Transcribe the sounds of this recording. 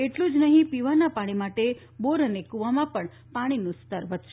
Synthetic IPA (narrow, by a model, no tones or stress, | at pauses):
eʈlũd͡ʒnəɦĩpiʋanapaɽ̃imaʈe | boɾənekuʋamãpəɳ | paɽ̃inũst̪əɾʋət̪ʃe